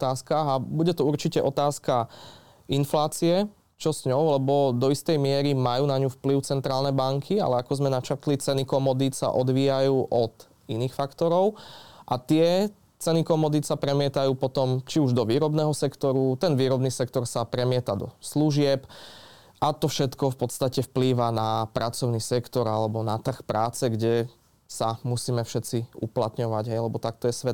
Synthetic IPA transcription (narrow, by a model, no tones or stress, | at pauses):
t̪aːskaɣabuɟɛt̪ɔuɾt͡ʃicɛʔɔt̪aːska | inflaːt͡siɛ | t͡ʃɔsɲɔʊlɛbɔd̪ɔist̪ɛjmɪɛɾimajuːnaɲufpliʊt͡sɛnt̪ɾaːlnɛjbaŋkʰia̰lɛakɔzmɛnat͡ʃaɾt̪lit͡sɛnikɔmɔd̪isa̰ʔɔd̪ʋiːjajuːʔɔt̪ | iniːxfakt̪ɔɾɔʊʔat̪ɪɛ | t͡sɛnikɔmɔd̪isapɾɛmɪɛt̪ajuːpɔt̪ɔmt͡ʃiuʒd̪ɔʋiːɾɔbnɛːɦɔsɛkt̪ɔɾut̪ɛnʋiːɾɔbniːsɛkt̪ɔɾsapɾɛmɪɛt̪ad̪ɔ̰sluʒɪɛp | ʔat̪ɔfʃɛt̪kɔfpɔt̪st̪acɛfpliːʋanapɾʔat͡sɔʊnisɛkt̪ɔɾalɛbɔnat̪r̩xpɾaːt͡sɛɡɟɛ | samusiːmɛfʃɛt͡siṵplat̪ɲɔʋaɟɦɛjlɛbɔt̪ak̚t̪ɔjɛsʋɛt̪